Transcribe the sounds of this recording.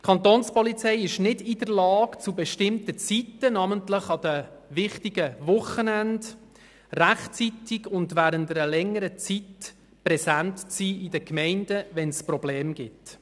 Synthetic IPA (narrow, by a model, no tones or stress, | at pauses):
kʰɑnt̪oːnspɔlit͡sɛɪɪʃnɪdidəɾlɑːkt͡subɛʃtɪmtət͡sitːənɑməntləχɑd̥əʋɪχtiɡəvʊχənænd | ræχt͡sitiɡʊndʋæːɾəntəɾəlɛŋːəɾət͡sit | prɛsæntt͡siːɪdəkmɛɪndəʋɛnsprɔblɛːmɡ̥ɪt